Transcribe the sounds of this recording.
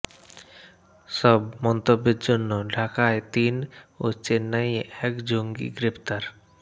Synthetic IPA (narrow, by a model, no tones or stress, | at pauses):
səbmɔnt̪əbɪt̪̚d͡ʒonːɔɖʱakajt̪iːno̰t͡ʃenəjekd͡ʒoŋɡḭɡɾɪpt̪aɾ